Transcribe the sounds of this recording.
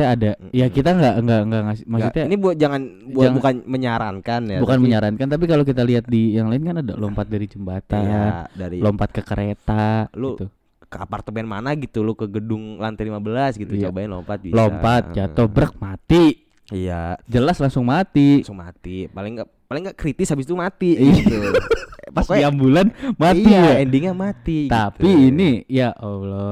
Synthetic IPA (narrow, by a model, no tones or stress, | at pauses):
aːdajakit̪aŋɡaʔŋɡaʔŋɡaŋasmasut̪ɲanibud͡ʒaŋan | buabukanməɲaɾankanjabukanməɲaɾankant̪ap̬ikalokit̪aliɦat̪̚dijaŋlaɪnkanada̰lompat̪̚daɾid͡ʒəmbat̪andaɾilompat̪̚kəkəɾʔet̪alut̪u | kəa̰part̪əbɛnmanaɡit̪ulukəɡədʊŋlant̪elimabəlasɡit̪ut͡ʃobaanlo̰mpat̪̚bilompat̪̚d͡ʒat̪ohbɾək̚mat̪i | ijad͡ʒəlaslaŋsʊŋmat̪isʊŋmat̪ipalɪŋɡa | palɪŋɡaʔkɾit̪ɪshabɪst̪umat̪iɡit̪upasiambulanmat̪iɛndiŋɲamat̪iɡt̪aiːnijaʔolɔ